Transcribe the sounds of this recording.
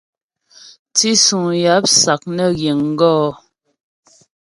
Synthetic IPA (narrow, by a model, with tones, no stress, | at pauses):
t͡si˦su˨ŋja˨˦p̚sa˨k̚nɛ˦˨ɣje˨ŋ̩˦ɡɔː˦